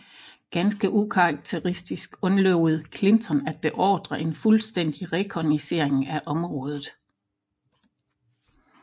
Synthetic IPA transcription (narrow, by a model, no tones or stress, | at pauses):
ɡ̥ænsɡ̥əʔukʰɑɑɡ̥̚t͡sʰe̝ʁisd̥isɡ̥ɔ̽nlɔʊð̩ˠkʰle̝nt͡sʰɒ̽næd̥̚b̥e̝ʔɒ̰ːd̥ʁɐʔe̝nfulsd̥en̰d̥iʁɛkʰɒnise̝ɐ̰e̝ŋæʔɒ̽mʁɔ̽ːð̞ˠð̩ˠ